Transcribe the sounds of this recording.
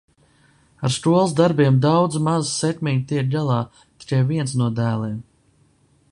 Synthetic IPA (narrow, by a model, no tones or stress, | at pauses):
aɾst̪uɔlˠs̬d̪aɾbiɛmd̪awd̪zmazsɛkmʲiɲt̪iɾd̪alˠɑː | t̪i̥kajviɛnsnuɔd̪æːlˠiːm